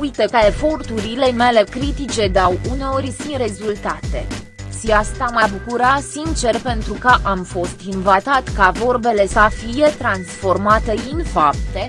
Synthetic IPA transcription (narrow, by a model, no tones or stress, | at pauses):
ujt̪əkəe̞fo̞rt̪uɾile̞me̞le̞kɾit̪it͡ʃe̞d̪awuneo̞ɾʲsinre̞zult̪at̪e̞̰ | ʃiast̪amabukuɾasint͡ʃe̞rpe̞nt̪ɾukəʔamfo̞st̪invat̪at̪kavo̞rbe̞le̞səfije̞t̪ɾansfo̞rmat̪əinfap̚t̪e̞